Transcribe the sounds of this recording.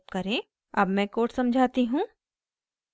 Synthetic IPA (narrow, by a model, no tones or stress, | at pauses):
pkɐɾẽː | ɐbmɛ̃koːʈsɐ̃md͡ʒʱaːt̪iɦũː